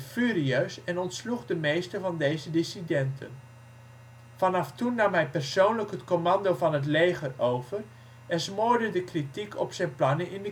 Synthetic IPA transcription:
fyːɾiøɥsɛnɔntsluχdəmejstəɹvɑndejzədɪsidɛntʰə̰n | vɑnɑftunːɑmɦɛjpɛrsownləkɦətkomɑndowvɑnɦət̬lejχərowvər | ɛnsmʊːɹdədəkritikʰɔ̰psɛjnplɑnənʔɪndə

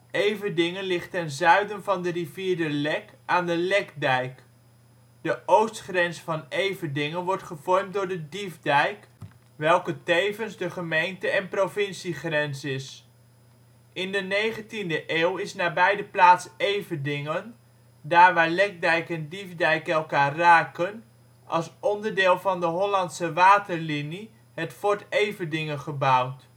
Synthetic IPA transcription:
ejvədɪŋənlɪχtɛnzœɥdənvɑndəriviːɹdəlɛkaːndəlɛkdɛjk | d̥əʔowstχrɛnsfɑnejvəndɪŋənʋɔɹtχəv̥ɔɹmt̚dʊːɹdədivdɛjk | ʋɛlˠkətejvənzdəχəmejntəɛnprovɪnsiχrɛnsɪs | ɪndənejχəntindəʔeːwɪsnaːbɛjdəplaːtsejvəndɪŋən | daːɹʋaːɹlɛk̚dɛjkɛndivdɛjkɛlˠkaːraːkən | ɑ̰lˠsɔndəɹdɪːlˠvɑndəɦɔlɑntsəʋaːtəɹlini | ɦətfɔɹtejvədɪŋənχəbʌwt

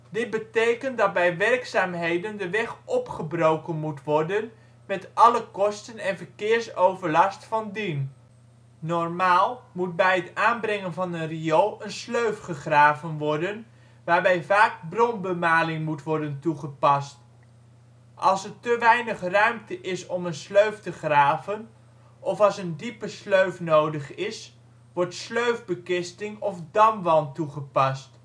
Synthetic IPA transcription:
dɪt̚bətejkəntdɑt̚bɛjʋɛrksaːmɦejdəndəʋɛχʔɔpχəbrowkənmutʋɔɹdən | mɛtɑləkɔstənɛnvəɹkɪːɹsowvəɹlɑstfɑndin | nɔɹmaːlˠmut̚bɛjɦətaːnbrɛŋənvɑnənriowənsløɥfχəχraːvənʋɔɹdən | ʋaːɹbɛjvaːk̚brɔnbəmaːlɪŋmutʋɔɹdəntuχəpɑst | ʔɑlˠsətəʋɛjnəχrœɥmtəʔɪsɔmənsløɥftəχraːvən | ɔfɑlˠsəndipəsløɥfnowdəχɪs | ʋɔɹtsløɥvbəkɪstɪŋɔfdɑmʋɑntuχəpɑst

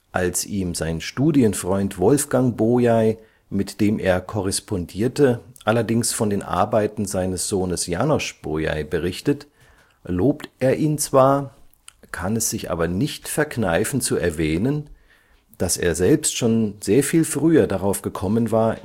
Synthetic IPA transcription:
ʔalsʔiːmzaɪnʃtuːdiənfʁ̥ɔʏntv̥ɔlfɡ̥aŋboːjaɪ | mɪtd̥eːmʔeːɐkʰɔʁ̞ɛspʰɔndiːɐtəʔalɐdɪŋsfɔndeːnʔa̰ɐbaɪtn̩zaɪnəsz̥oːnəsja̰nɔʃb̥oja̰ɪbəʁɪçtət | loːp̚tʔeːɐʔiːnt͡sv̥aːɐ | kʰanɛsz̥ɪçʔa̰ːbɐnɪçtfɛɐknaɪfn̩t͡suɛɐvɛːnən | d̥asḛːɐzɛlpstʃoːnzeːɐfiːlfʁ̥yːɐdaʁaʊfɡ̥əkʰɔmənvaːɐ

